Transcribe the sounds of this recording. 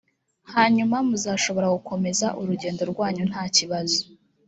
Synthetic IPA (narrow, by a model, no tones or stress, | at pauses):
haːɲumamuzaːʃo̞βo̞ɾaɡuko̞me̞zaʔuɾuɟe̞ːndo̞ɾɡwaːɲun̥haːciβazo̥